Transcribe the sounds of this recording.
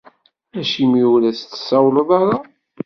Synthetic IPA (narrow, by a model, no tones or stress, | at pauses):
æʃimiulæst̪ːə̥sːɑwləðˤɑɾˤɑ